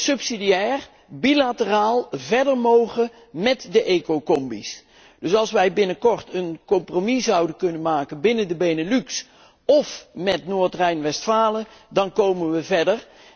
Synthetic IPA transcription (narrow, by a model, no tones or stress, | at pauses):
sɵpsidijɛːr | bilatəraːlˠvɛɹdəɹmowχə | mɛtdəʔeːkokɔmbis | d̥ɵsɑlˠsʋɛjbɪnəkɔrtənkɔmpromizɑwdənkɵnənmaːkənbɪnəndəbejnəlyks | ɔfmɛtnoːɹtrɛjnʋɛstfaːlədɑnkowmənʋəvɛɹdər